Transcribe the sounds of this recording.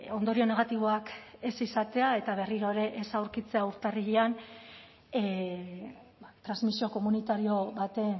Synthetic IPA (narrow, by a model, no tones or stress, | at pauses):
o̞nd̪o̞ɾio̞ne̞ɣat̪iβ̞o̞ake̞sisat̪e̞ae̞t̪aβ̞e̞riɾo̞eɾe̞ʔesawɾkit͡se̞auɾt̪ariɣian | at̪ɾazmisio̞ko̞munit̪aɾio̞βat̪e̞